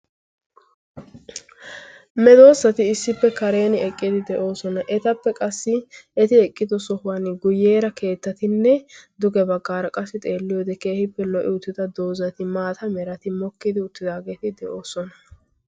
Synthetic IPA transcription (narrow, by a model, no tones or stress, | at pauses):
mɛd̪o̞ːsːɐt̪ɪɪsːɪpːɛkɐɾe̞ːnɪɛkʼːɪd̪ɪd̪ɛʔo̞ːsɔnɐʔɛt̪ɐpːɛkʼɐsːɪɛt̪ɪɛkʼːɪd̪ɔsɔhʊwɐnɡʊjeːɾɐkʰe̞ːt̪ːɐt̪ɪnːɛd̪ʊɡɛbɐɡːaːɾɐkʼɐsːɪt̪ʼeːlːɪjoːd̪ɛkeːhɪpːɛlɔʔɪʊt̪ːɪd̪ɐd̪o̞ːzɐt̪ɪmaːt̪ɐmɛɾɐt̪ɪmɔkːɪd̪ɪʊt̪ːɪd̪aːɡe̞ːt̪ɪd̪ɛʔo̞ːsɔnɐ